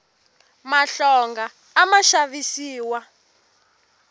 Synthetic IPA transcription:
maɬɔŋɡaː | maʃaβisiːwa

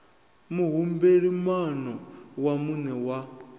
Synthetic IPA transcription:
muɦumbeɺimanɔwamunɛwa

